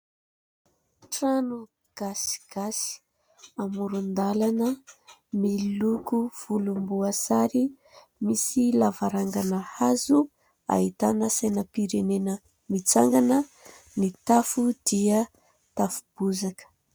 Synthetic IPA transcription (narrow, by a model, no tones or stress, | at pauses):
ʈ͡ʂanu | ɡ̥asi̥ɡ̥asi̥ | amuɾund̪alanəmilukuv̥ulumbuasaɾi | misilavaɾaŋɡanəhazu | a̰ɦit̪anəsajnəpiɾenenə | mit͡saŋɡanə | nit̪afud̪̥iə | t̪afub̥uzakə̥